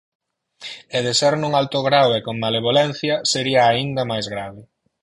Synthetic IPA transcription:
eðeseɾnũŋalt̪oɣɾawekoŋmaleβ̞olɛn̟θjɐseɾiɐːind̪ɐmajzɣɾaβɪ

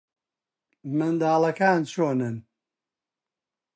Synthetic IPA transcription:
mɨnd̪aːlɐkaːnt͡ʃʰoːnɨn

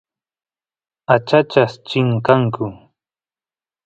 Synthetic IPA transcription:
at͡ʃat͡ʃast͡ʃɪŋkaŋkʊ

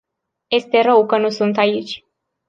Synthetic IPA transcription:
je̞st̪e̞ɾəwkənusunt̪ait͡ʃʲ

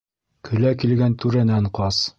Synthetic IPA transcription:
kʰɵ̆lækilɡænt̪ʉɾænæɴqɑs

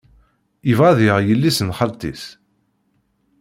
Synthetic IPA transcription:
ivʁaðɪʁjəlːisənχəlt̪ḭs

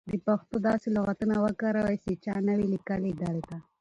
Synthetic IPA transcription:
d̪əpaxt̪od̪ɑseloɣat̪ənawəkaɾawajset͡ʃɑnəwilikəlid̪aɽet̪a

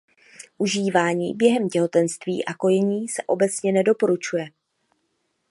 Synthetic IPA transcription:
ʔuʒiːvaːɲiːbjɛɦɛmcɛɦo̞t̪ɛnst̪vḭːʔako̞jɛɲiːsɛʔo̞bɛt͡sɲɛnɛdo̞po̞ɾut͡ʃujɛ

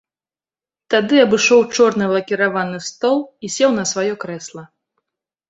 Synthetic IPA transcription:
t̪ad̪ɨɐbɨʂɔwt͡ʂɔrnɨlˠɐkʲiɾavanɨst̪ɔlˠisʲɛwnɐsvajɔkɾɛslˠɐ

